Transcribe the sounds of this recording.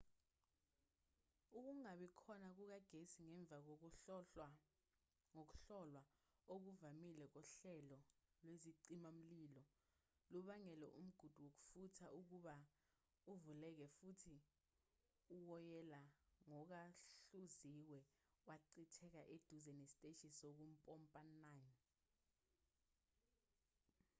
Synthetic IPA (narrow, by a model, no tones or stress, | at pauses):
uk̬uŋaɓikʰɔnak̬uk̬aɡ̥ʱesiŋɛɱb̪vak̬ | ŋok̬u̥ɬɔlwaok̬uvamilɛk̬ɔɬɛlɔlweziǀimam̩lilɔ | luɓaŋɛlɛ̰ʔum̩ɡ̥ʱud̥ʱuwok̬u̥futʰaʔuk̬uɓa | uvulɛk̬ɛfutʰi | uwɔjɛlaŋɔk̬aɬuziwɛ | waǀitʰɛk̬aʔed̥ʱuzɛnesitʼeʃisɔk̬um̩pʼɔmpʼanan